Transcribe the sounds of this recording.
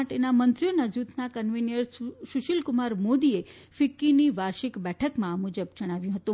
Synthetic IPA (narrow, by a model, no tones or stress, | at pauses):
aʈenamənt̪ɾijonad͡ʒut̪nakənʋinjəɾʃʊʃilkʊmaɾmod̪ie | fɪkːiniʋaɾʃikbɛʈʰəkmãmud͡ʒəbd͡ʒəɽ̃aʋjũɦət̪ũ